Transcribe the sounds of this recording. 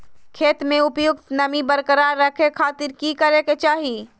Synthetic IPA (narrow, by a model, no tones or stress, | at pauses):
kʰeːt̪mẽʊpjʊk̚t̪nɐmibəɾkəɾaːɾːɐkʰekʰaːt̪ɪɾkikəɾeket͡ʃaːɦi